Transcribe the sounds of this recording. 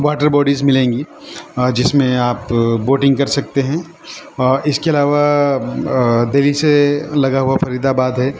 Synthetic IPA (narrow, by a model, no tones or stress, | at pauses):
ʋaːʈəɾbɔːɖizmɪlẽːŋɡi | d͡ʒɪsmẽaːpboːʈɪ̃ŋɡkɐɾsɐk̚t̪eɦɛ̃ | ɪskeɐlaːʋa | d̪eliselɐɡaɦuafɐɾiːd̪abaːd̪ɦɛː